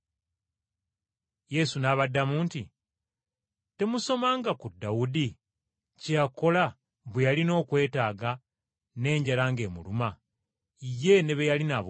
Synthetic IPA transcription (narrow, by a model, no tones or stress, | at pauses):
je̞sunaβadːamuːnti | te̞muso̞maːŋɡakudːawudi | cjako̞la | βwejalino̞ːkwe̞ːtaːɡa | ne̞ːɲɟalaːŋɡe̞ːmṵluma | ije̞ne̞βejalinaβ